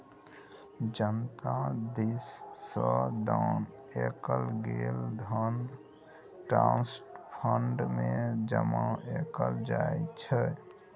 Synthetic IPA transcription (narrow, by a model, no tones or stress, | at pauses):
d͡ʒənt̪ad̪isːəd̪an | ekəlɡeld̪ʱən | ʈɾãnsʈpʰəɳɖmed͡ʒəmãʔekəld͡ʒaet͡ʃʰɛ